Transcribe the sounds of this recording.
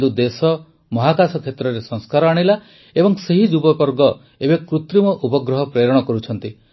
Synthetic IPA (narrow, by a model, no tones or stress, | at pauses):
d̪ud̪esɔ | mɔɦakasɔkʰet̪ɾɔɾesɔŋskaɾɔaɽ̃ila | ebɔŋseɦid͡ʒubɔpɔɾɡɔ | ebekɾut̪ɾimɔʔupɔɡɾɔɦɔpɾeɾɔɽ̃ɔkɔɾut͡ʃʰɔnt̪i